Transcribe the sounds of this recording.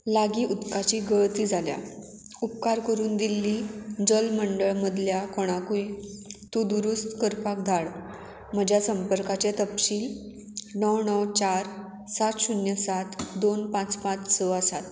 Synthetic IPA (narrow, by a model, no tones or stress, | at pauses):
laɡiːʔut̪kat͡ɕiːɡəɭt̪iːd͡zʱalja̰ | up̚kaɾkəɾuːnd̪ilːiːd͡zəlməɳɖəɭməd̪ʱljakɔɽ̃akujt̪ud̪uɾust̪kəɾpak̚d̪ʱaɽ | m̤əd͡ʑʱjasəmpəɾkat͡ɕet̪əpɕiːl | nəwɳəwt͡ɕaɾ | sat̪ɕunjəsat̪d̪onpãt͡spãt͡ssɔasat̪